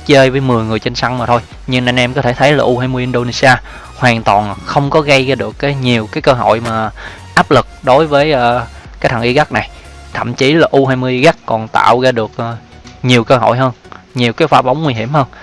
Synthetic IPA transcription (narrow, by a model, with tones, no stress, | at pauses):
t͡ɕəː˧jvəː˨˦jmɨ˨˩əjŋɨ˨˩əjt͡ɕe˧nsa˧ŋmaː˨˩t̪ʰo˧j | ɲɨ˧ŋʔa˧jŋʔɛ˧mkɔ˨˦t̪ʰe˧˩t̪ʰə˨˦jlaː˨˩ʔu˧haː˧jmɨ˧əjʔi˧nɗo˧ne˧si˧aː˧ | hwaː˨˩nt̪wɔ˨˩nxə˧wŋ͡mkɔ˨˦ɣə˧jɣaː˧ɗɨ˨˩əkːaː˨˦jɲi˨˩əwkaː˨˦jkəː˧ɦo̰˧˨jmaː˨˩ | ʔaː˦˥p̚lɨ˨˩k̚ɗo˨˦jvəː˨˦jʔəː˧˩kaː˨˦t̪ʰə˨˩ŋʔi˧ɣa˦˥k̚na˨˩jt̪ʰə̰˧˨mt͡ɕi˨˦laː˨˩ʔu˧ɦaː˧jmɨ˧əjʔi˧ɣa˦˥k̚kɔ˨˩nt̪a̰ː˧˨wɣaː˧ɗɨ˨˩ək̚ʔ | ɲi˨˩əwkəː˧ɦo̰˧˨jɦəː˧nɲi˨˩əwkaː˨˦jfaː˨˦ɓa˨˦wŋ͡mŋwi˧ɦḭ˧˩əmhəː˧n